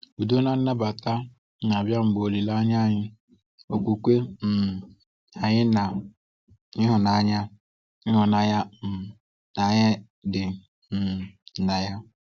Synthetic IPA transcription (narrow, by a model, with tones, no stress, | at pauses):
u˨do˦na˦n̩˦na˦ba˨ta˦ | na˨a˨bja˦m̩˨ɡ͡bo˨li˨la˦ɲa˦˨ɲɪ˦ | o˨kʷu˨kʷe˦m̩˨ | a˨ɲɪ˦na˨ | ɪ˦ɦʊ˨na˨˦ɲa˦ | ɪ˦ɦʊ˨na˨ja˦˨ | na˨ɲɪ˦ | dɪ˨ | m̩˨na˨ja˦